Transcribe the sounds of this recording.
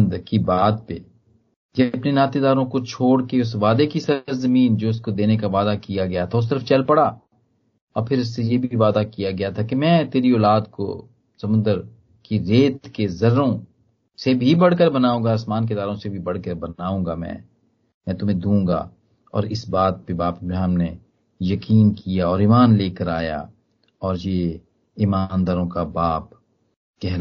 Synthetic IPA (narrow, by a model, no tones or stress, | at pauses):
nd̪əɾkibaːd̪̚pḛ | d͡ʒɐɐpnenaːt̪ed̪aːɾõkot͡ʃʰoːɽkeʊs̬ʋaːd̪ekisɐɾzɐmiːnd͡ʒoːʊskod̪eːnekaʋaːd̪akijaɡɐjat̪ʰaʊs̬ɪɾəft͡ʃɐlpɐɽaː | ɔːɾpʰɪɾʊsːejeːbʱiʋaːd̪akijaɡɐjat̪ʰakemɛ̃ːt̪eːɾiɔːlaːd̪ko̰ | sɐmʊ̃nd̪əɾ | kiɾeːt̪kezɐɾːõ | sebʱibɐɽ̤kəɾbɐnaːũːŋɡaɐsmaːnk̬ed̪aːɾõsebʱibɐɽ̤kəɾbɐnaːũːɡamɛ̰̃ː | mɛ̃ːt̪ʊmẽd̪ũːŋɡa̰ | ɔ̰ːɾɪsbaːt̪̚pebaːpmẽɦɐmne | jɐkiːnkijaɔːɾiːmaːnleːkəɾaːja̰ | ɔːɾjeː | iːmand̪aːɾõkabaːp̚ | kɛɦla